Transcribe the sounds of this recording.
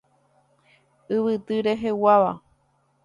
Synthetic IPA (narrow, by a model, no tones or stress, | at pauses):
ɨʋɨt̪ɨɾe̞ɦewaʋa̰